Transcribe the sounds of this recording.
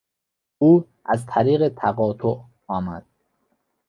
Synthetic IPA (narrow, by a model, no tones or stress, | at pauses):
uː | ʔæzt̪ʰæɾiːɣet̪ʰæɣɒːt̪ʰoʔ | ɒːmæ̰d̪̥̚